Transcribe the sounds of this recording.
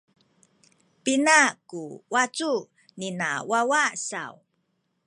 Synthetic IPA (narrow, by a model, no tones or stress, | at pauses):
pinakuwat͡su | nina̰wawasa̰w